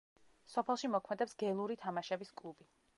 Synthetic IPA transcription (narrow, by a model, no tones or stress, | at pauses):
sɔpʰɛlˠʃimɔkʰmɛd̪ɛpsɡɛlˠuɾit̪ʰamaʃɛbiskʼlˠubi